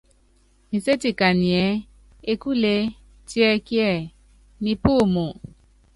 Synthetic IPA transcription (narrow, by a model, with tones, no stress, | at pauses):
nĩ˨se˦ti˨ka˨nĩ˨ɛ˨˦ | e˧ku˦le˧ | ti˦ɛ˧ki˦ɛ˦˨ | nĩ˧pu˦˨mu˨